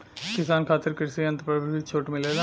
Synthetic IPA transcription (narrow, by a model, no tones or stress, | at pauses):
kɪsaːnkʰaːt̪ɪɾkɪɾsiə̃nt̪pɾəbəit͡ʃʰoːʈmɪleːd̪